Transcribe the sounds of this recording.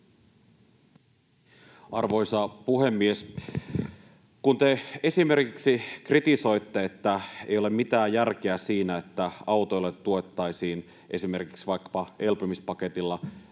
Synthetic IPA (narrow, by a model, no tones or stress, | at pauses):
ɑrʋojsɑpuɦe̞mːie̞s | kunt̪e̞e̞sime̞rkiksikrit̪iso̞jt̪ːeet̪ːæḛjole̞mmit̪æːjjærk̟eæsiːnæet̪ːæɑwt̪o̞jlːet̪ːuot̪ːɑjsiːn | ʔe̞sime̞rki̥ksiʋɑjkːɑ̥pɑe̞lpomispɑke̞t̪ilːɑ